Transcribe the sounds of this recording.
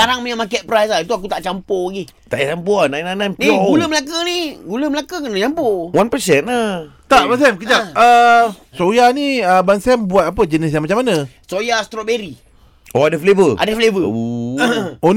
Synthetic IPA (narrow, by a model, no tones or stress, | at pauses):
aɾaŋmaɲaʔmakɛʔ̚pəɾajsait̪uak̬ut̪aʔt͡ʃampoaɡi | t̪aʔjt͡ʃampoanãjnanãnpniɡuləməlakəniɡuləməlakəkənaɲampowanpəsɛnat̪aʔbans̬ɛmkəd͡ʒaə | sojaniəbansɛmbuat̪̚ap̬əd͡ʒənis̬jaŋmat͡ʃamːanasojast̪ɾɔbeɾi | oadəflevəʔa̰dəflevə | o